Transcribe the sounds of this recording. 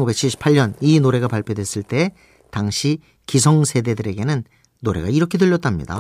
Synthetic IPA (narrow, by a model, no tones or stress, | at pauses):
ŋɡube̞k̚t͡ɕʰiɭɕ͈ʰi̥pʰaɭɲʌninoɾe̞ɡapaɭpʰjodwe̞s͈ɯɭt͈e̞ | taŋɕʰi | kisʰʌŋsʰe̞de̞dɯɾe̞ɡe̞nɯnː | oɾe̞ɡa̰iɾʌkʰe̞dɯʎːjʌt͈amɲḭda̰